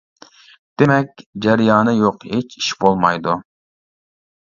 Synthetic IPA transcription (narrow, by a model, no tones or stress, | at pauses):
d̪̥emɛk̚ʲd͡ʒæɾijɑːnɨjoqhet͡ʃi̥ʃbolˠmɑjd̪u